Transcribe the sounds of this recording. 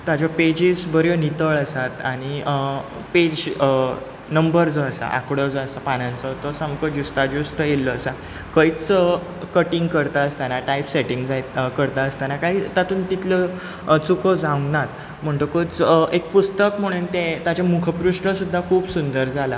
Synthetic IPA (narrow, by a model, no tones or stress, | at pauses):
t̪ad͡ʑjaped͡ʑiːsbəɾjonit̪əɭəsat̪aɽ̃iə | ped͡ʑ | nəmbəɾd͡zɔəsa̰ʔa̰kɽɔd͡zɔəsapanãnt͡sɔt̪ɔsamkəd͡ʑust̪ad͡ʑust̪əjelːɔːsa | kəit͡s | kəʈiŋɡkəɾt̪aəst̪anaʈaipseʈiŋɡd͡zajkəɾt̪aəst̪anakaɦiːt̪at̪uːnt̪it̪lə | t͡sukəd͡zaũŋɡnat̪ | m̤əɳt̪okot͡sek̚pust̪əkm̤əɽ̃uːnt̪ẽt̪at͡ɕamukʰəpɾuʂʈəsud̪ʱːakʰuːbsund̪əɾd͡zʱala